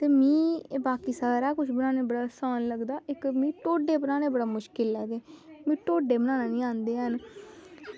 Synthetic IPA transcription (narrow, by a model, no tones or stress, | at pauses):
t̪eːmĩːbaːkiːsaːɾaːkʊt͡ʃʰbənãːneːbəɽaːsaːnləɡd̪aːʔɪkmĩːʈoːɖeːbənãːnẽːbəɽaːmʊʃkɪlaːd̪eːmĩːʈoːɖeːbənãːnaːnĩːãːnd̪eːən